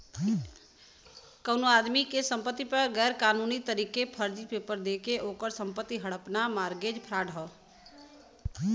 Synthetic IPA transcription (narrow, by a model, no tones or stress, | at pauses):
kəʊnoaːd̪mikesə̃mpət̪ːipəɾɡɛːɾkaːnuːnit̪əɾiːkepʰəɾd͡ʒipepəɾd̪ekeʔoːkəɾsə̃mpət̪ːiɦəɽəpnamaːɾɡed͡ʒpʰɾaːɖɦɔː